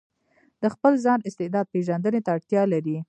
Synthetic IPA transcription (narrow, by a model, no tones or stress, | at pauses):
d̪̥əxpəlzɑnɪst̪ɪd̪ɑd̪̚peʒand̪ənet̪aːɽt̪jɑlaɾi